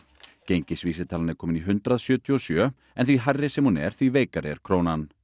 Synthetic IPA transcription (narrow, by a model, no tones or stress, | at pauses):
cejɲcɪsviːsɪt̪ʰaːlanɪɾkʰɔːmɪniɦʏnt̪ɾaðsjœːt̪ʰjuɔsjœː | ɛnθviɦarːɪsɛmhunɛ̰ɾ̥θviveːjkaɾɪɛ̰ɾ̥kʰɾownan